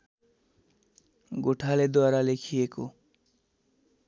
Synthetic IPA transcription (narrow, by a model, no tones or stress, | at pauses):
ɡoʈʰaled̪oaɾalekʰieko